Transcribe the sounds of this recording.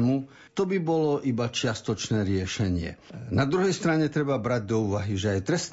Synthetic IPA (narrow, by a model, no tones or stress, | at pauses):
mu | t̪ɔbibɔlɔʔibat͡ʃɪast̪ɔt͡ʃnɛːɾɪɛʃɛɲɪɛ̰nad̪ɾuɦɛjst̪ɾaɲɛt̪ɾɛbabɾaɟ̚d̪ɔuːʋaɦiʒɛajt̪ɾɛst̪